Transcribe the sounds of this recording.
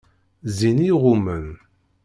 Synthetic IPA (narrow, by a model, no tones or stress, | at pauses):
ziniʁʊmən